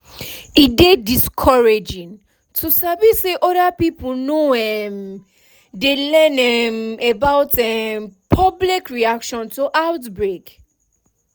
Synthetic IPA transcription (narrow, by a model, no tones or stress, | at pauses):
idediskʰɔɹed͡ʒĩn | tʰusabiseʔɔdapipnoɛm | delɛ̃nɛmebaʊtɛmpʰɔblikɹiakʃɔ̃ntuʔaʊtbɹek